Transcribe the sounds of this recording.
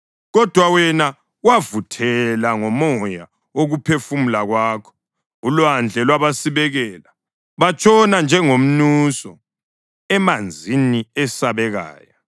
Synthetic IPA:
ɣɔd̥ʱwawɛna | wavutʰɛlaŋɔmɔja̰ | oɣupʰefumulaɣwaːkʰɔ̥ | ulwand͡ɮʱɛlwaβasiβɛɣɛːla | βat͡ʃʼɔnand͡ʒʱɛŋom̩nusɔ | ɛmand͡zʱiniɛsaβɛɣa̰ːja

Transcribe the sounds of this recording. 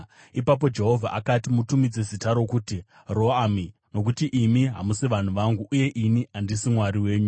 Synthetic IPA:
ipap̬o̞d͡ʒe̞ɦo̞vʱa̰ʔakatimutumid͡ze̞zitaɾo̞kuti | ro̞aːmino̞kutiʔimiɦa̰musiʋan̤uʋaŋɡuʔːje̞ʔiniandisimwaɾiwe̞ːɲu

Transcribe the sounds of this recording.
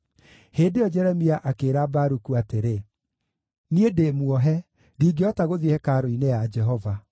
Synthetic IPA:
heːdeɔd͡ʒɛɾɛmiaʔakeːɾabaɾukuateɾe | niedeːmwɔɦɛ | ɾiːɡeɔtaɣoðihɛkaːɾoinead͡ʒɛɦɔva

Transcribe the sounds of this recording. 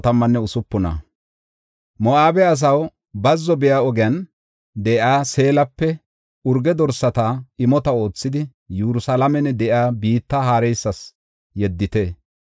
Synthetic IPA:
t̪ɐmːɐnːɛʊsʊpːʊnɐ̰ | mɔʔaːbɛɐs̬ɐw | bɐzːɔbɪjaːɔɡɪɐn | d̪ɛʔjaːse̞ːlɐpːɛ | ʊɾɡɛd̪ɔɾsɐt̪aɪmɔt̪ɐo̞ːt͡sːɪd̪ɪ | juɾʊsalɐmɛnːɛd̪ɛʔjaːbiːt̪ːɐɦaːɾɛjsːɐs | jɛd̪ːɪt̪e

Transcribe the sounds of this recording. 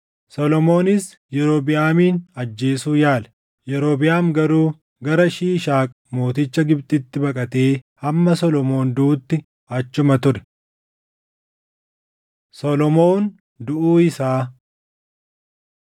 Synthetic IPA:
sɔlɔmo̞ːnɪs | jɛɾo̞ːbɪjaːmiːnɐd͡ʒːe̞ːsuːjaːlɛ̥ | jɛɾoːbɪjaːmɡɐɾuː | ɡɐɾɐʃiːʃaːkʼɐmo̞ːt̪ɪt͡ʃːɐɡɪbt̪ʼɪt̪ːɪbɐkʼɐt̪e̞ː | ɐmːɐsɔlɔmo̞ːnd̪uːt̪ːɪ | ɐt͡ʃːʊmɐt̪ʊɾɛ̥ | sɔlɔmoːn | d̪ʊʔuːɪsaː

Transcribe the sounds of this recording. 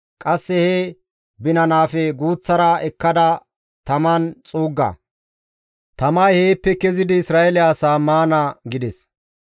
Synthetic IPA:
kʼɐsːɛhɛ | bɪnɐnaːfɛɡuːt͡sːɐɾɐɛkːɐd̪ɐ | t̪ɐmɐnt͡sʼuːɡːɐ̰ | t̪ɐmaːjhe̞ːpːɛkɛzɪd̪ɪːsɾaːɛlɪːsaːmaːnaɡɪd̪ɛs

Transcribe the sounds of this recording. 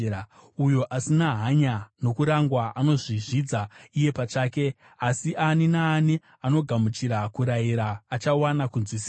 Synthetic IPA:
ujo̞ʔasinaɦaɲano̞kuɾaŋɡwaʔano̞ʐiʐid͡zaije̞pat͡ʂaːke̞ | asiʔaninaːni | ano̞ɡʱamut͡ʃiɾakuɾaiɾaːt͡ʃawanakunzwisia

